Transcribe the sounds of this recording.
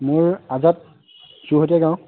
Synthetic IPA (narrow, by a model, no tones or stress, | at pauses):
mʊɹazat̚ | suɦot̬ɛɡãw̃